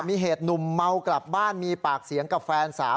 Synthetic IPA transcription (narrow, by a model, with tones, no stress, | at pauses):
miː˧ɦeː˨˩t̪̚nu˨˩mːa˧wkla˨˩p̚baː˥˩nmiː˧paː˨˩k̚si˩˦əŋka˨˩p̚fɛː˧nsa̰ː˩˦